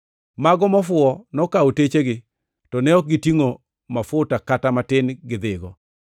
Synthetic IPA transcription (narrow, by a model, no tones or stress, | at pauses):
maɡɔmɔfwʊɔnɔkaotet͡ʃeɡɪ | tɔnɛɔk̚ɡɪtiŋo | mafʊtakatamatɪnɡɪd̪ɪɡɔ